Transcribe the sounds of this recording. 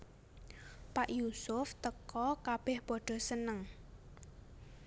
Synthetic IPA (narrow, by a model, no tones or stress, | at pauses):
paʔjusʊft̪əkɔkab̥ɪhpɔɖ̥ɔ̤sənəŋ